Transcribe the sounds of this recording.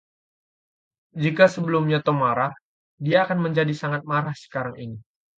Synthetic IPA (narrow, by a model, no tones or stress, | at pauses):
d͡ʒikasəbəlumɲat̪omaɾah | diaːkanməɲd͡ʒadisaŋat̪̚maɾahsə̥kaɾaŋini